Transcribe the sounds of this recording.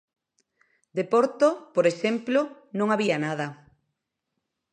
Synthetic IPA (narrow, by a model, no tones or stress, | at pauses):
d̪epoɾt̪opoɾesemplonõŋaβianað̞ɐ